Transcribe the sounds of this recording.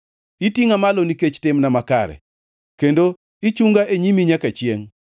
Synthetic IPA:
itiŋamaloniket͡ʃtɪmnamaka̰ɾɛ̰ | kendo | it͡ʃuŋɡaʔeɲimiɲakat͡ʃɪeŋ

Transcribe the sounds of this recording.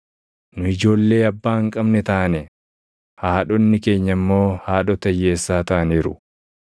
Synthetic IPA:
nʊɪd͡ʒo̞ːlːe̞ːɐbːaːhɐŋkʼɐbnɛt̪ɐʔɐnɛ | haːᶑɔnːɪke̞ːɲːɐmːo̞ːhaːᶑɔt̪ɐjːe̞ːsːaːt̪ɐʔɐniːɾʊ̰

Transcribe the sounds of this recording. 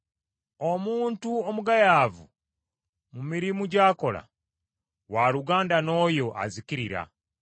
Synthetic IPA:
omuːntuomuɡajaːvu | mumiɾimuɟaːko̞la̰ | waːluɡaːndano̞ːjo̞ʔa̰ziciɾiɾa̰

